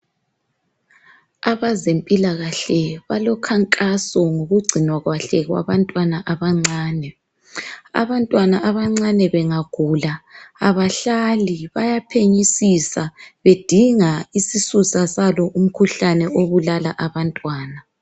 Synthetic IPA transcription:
aβazempʼilaɣaɬɛβalɔkʰaŋkʼasɔŋoɣuɡ͡ǀʱinwaɣwaɬɛɣwa̰βantʼwanaʔaβaŋ͡ǀaːnɛ | a̰βantʼwanaʔaβaŋ͡ǀanɛβɛŋaɡ̥ʱuːlaaβaɬaliβajapʰeɲisisaβed̥ʱiŋaisisusasalɔʔum̩kʰuɬanɛʔoβulala̰ʔaβantʼwaːna

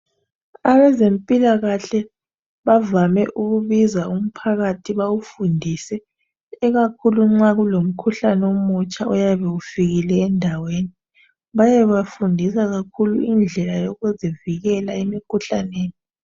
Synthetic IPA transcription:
aβɛzempʼilaɣaɬɛ | βavamɛʔuɣuβizaum̩pʰaɣatʰiβawufundʱisɛː | ɣakʰuluŋ͡ǁaɣulom̩kʰuɬanɛomut͡ʃʼaujaβɛufiɣilɛːndʱaweːni | βajɛβafundʱisaɣakʰuluind͡ɮʱɛlajoɣuzeviɣɛlaemikʰuɬaneːni

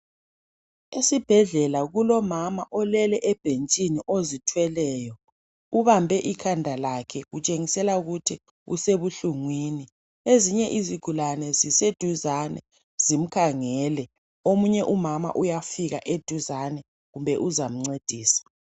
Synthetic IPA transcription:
esib̥ʱɛɮɛlaɣulɔmamaʔɔlɛlɛʔɛb̥ʱent͡ʃʼiniʔozitʰwɛlɛːjɔ | uβambʱɛʔikʰandʱalakʰɛɣut͡ʃʼeŋisɛlauɣutʰi | ṵseβuɬuŋwiːni | eziɲɛʔiziɡ̥ʱulanɛzised̥ʱuzanɛ̰ | z̥im̩kʰaŋɛːlɛ | omuɲɛʔumama̰ʔujafiɣa̰ʔed̥ʱuzanɛ | ɣumbʱɛʔuzam̩ŋ͡ǀed̥ʱiːsḁ

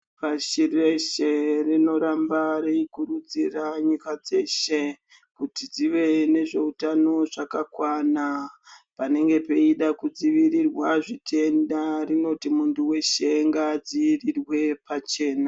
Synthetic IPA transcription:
paʃireʃerino̞ɾambaɾeikuɾud͡ziraɲukad͡ze̞ʃe̞ | kutid͡ziʋe̞ne̞ʐe̞utano̞ʐakakwanapane̞ŋɡe̞pe̞iɗakud͡ziʋirirwaʐitʰe̞ndarino̞timuntuwe̞ʃeŋɡad͡ziʋrirwe̞pat͡ʃe̞ːna

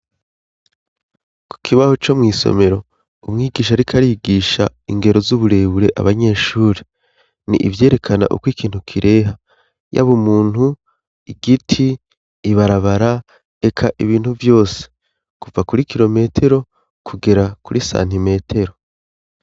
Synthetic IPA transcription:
kʰu̥kʰiβaho̞t͡ʃo̞mŋiːso̰me̞ɾo̞ | umŋiːɡiːʃ̬aɾikʰaɾiːɡiːʃa̰iŋɡe̞ɾo̞zuβuɾe̞ːβuɾe̞ʔa̰βaɲe̞ːʃuːɾe | nḭʔḭvje̞ːɾe̞kʰana̰ʔṵkwikʰiːn̥hukʰiɾʔe̞ːɦa | ja̰βomuːn̥hu | iɡitʰiː | βaɾaβaɾa | e̞kʰaʔiβiːn̥huvjo̞ːse̥ | kuvakuɾikiɾo̞me̞tʰe̞ɾo̞ | kʰuɡe̞ɾakuɾisa̰ːn̥hime̞ːtʰe̞ɾo̞

